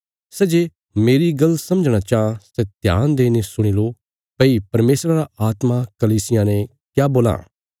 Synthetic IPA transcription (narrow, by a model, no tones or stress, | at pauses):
sɛd͡ʒeː | meːɾiɡɐlːsɐ̃məd͡ʒɽ̃at͡ʃaːãsɛt̪ja̰ːnd̪eːnesʊɽ̃ilo | pɐipɐɾmeːsɾaɾaaːt̪makɐliːsɪjãnɛ̃ | kjaboːlã̰ː